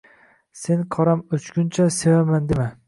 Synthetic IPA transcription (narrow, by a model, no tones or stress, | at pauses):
se̞nqʰɒɾamʊt͡ʃkʲʊnt͡ʃʰase̞vamand̪ema